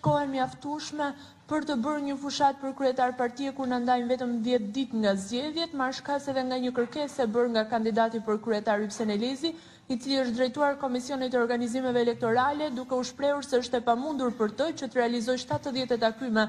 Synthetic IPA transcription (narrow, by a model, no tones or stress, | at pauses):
ʃkɔɛməjaft̪uʃmɛ | pəɾt̪əbəɾɲəfuʃat̪̚pəɾkɾyɛt̪aɾpaɾt̪iɛkuɾnand̪ajmvɛt̪əmðjɛt̪d̪it̪ŋɡazɟɛðjɛt̪maɾʃkasɛðɛŋɡaɲəkəɾkɛsɛbəɾŋɡakand̪id̪at̪ipəɾkɾyɛt̪aɾypsɛnɛlɛzi | it͡siliəʃt̪̚d̪ɾɛjt̪uaɾkɔmisjɔnit̪ɛɔɾɡanizimɛvɛːlɛk̚t̪ɔɾalɛd̪ukɛuʃpɾɛuɾsɛəʃt̪ɛpamund̪uɾpəɾt̪ət͡ɕət̪əɾɛalizɔjʃt̪at̪əðjɛt̪ɛt̪akymɛ